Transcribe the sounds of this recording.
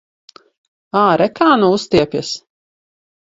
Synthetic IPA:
aːɾɛkaːnuust̪iɛpʲjɛs

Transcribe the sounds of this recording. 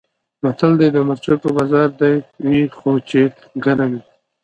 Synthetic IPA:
mat̪əld̪ed̪əmaɾt͡ʃopəbɑzɑɾd̪ajwixot͡ʃet̪ | ɡaɾawi

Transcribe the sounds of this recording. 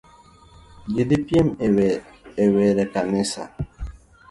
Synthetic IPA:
d͡ʒidipjemeweɾekanɪsa̰

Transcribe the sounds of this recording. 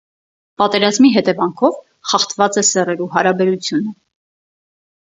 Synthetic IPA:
pɑt̪ɛɾɑzmiɦɛt̪ɛvɑŋkʰɔv | χɑχt̪vɑt͡sɛsɛrɛɾuɦɑɾɑbɛɾut͡sʰjunə

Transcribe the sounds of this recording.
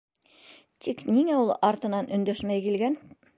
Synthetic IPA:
t̪ʰikniŋæulˠɑɾt̪ɤ̆nɑnʔɵ̆nd̪æʃmæjkilɡæn

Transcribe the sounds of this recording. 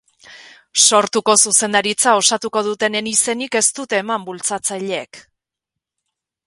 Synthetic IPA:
so̞ɾt̪uko̞suse̞nd̪aɾit͡sao̞sat̪uko̞ð̞ut̪e̞nenise̞nike̞st̪ut̪e̞ːmambult͡sat͡sajʎeek

